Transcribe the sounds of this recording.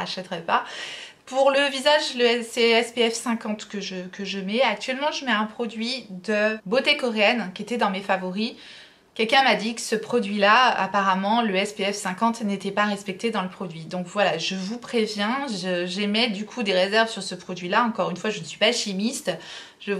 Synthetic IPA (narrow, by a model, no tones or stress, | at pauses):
aʃɛt̪ʁɛpapuʁləvizaʒləɛsɛɛspeɛfsɛ̃kɑ̃t̪kəʒəkəʒəmɛak̚t̪ɥɛlmɑ̃ʒəmɛɛ̃pχɔd̪ɥid̪əbot̪ekɔʁeɛnkʲiet̪ɛd̪ɑ̃mefavɔʁi | kʲɛlkʲɛ̃mad̪ikə̥səpχɔd̪ɥilaʔa̰paʁamɑ̃ləɛspeɛfsɛ̃kɑ̃t̪net̪ɛpaʁɛspɛk̚t̪ed̪ɑ̃ləpχɔd̪ɥid̪ɔ̃kvwalaʒəvupχevjɛ̃ʒəʒemɛd̪ykʰud̪eʁezɛʁvsyʁsəpχɔd̪ɥilaɑ̃kɔʁynfwaʒənəsɥipaʃimist̪ | ʒə